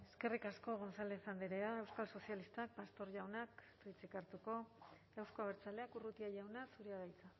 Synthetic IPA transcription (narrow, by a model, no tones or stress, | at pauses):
e̞ske̞rikasko̞ɣonsalesand̪eɾeaewskalso̞sialist̪ak̚past̪o̞ɾʝawnakt̪ojt͡sikaɾt̪uko̞ | ewsko̞aβeɾt͡sale̞akurut̪iaʝawnasuɾiaðajt͡sa